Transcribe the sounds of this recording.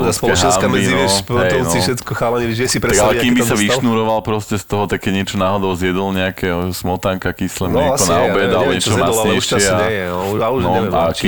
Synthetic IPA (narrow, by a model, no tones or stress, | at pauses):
spɔlɛɦɛasmmiinʃɦɛɔnsiʃɛt̪kɔxaːlɛɲɛiʒɛsipɾaɡalɛkimbisaʋiʃnuɾɔʋalpɾɔscɛst̪ɔɦɔt̪ak̚kːɛɟɲɛt͡ʃɔnaːɦɔd̪ɔʊzjɛd̪ɔlɲɛakɛɦɔsmɔt̪aŋkakislɛmɲɛɔnaɔbɛd̪alɲɛt͡ʃɔɦɔmasɲɛjʃɛaaunɔa̰i